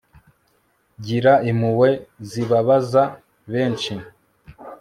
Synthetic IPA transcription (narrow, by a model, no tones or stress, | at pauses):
ɟiɾaimuwe̞ziβaβaza | βeːnt͡ʃi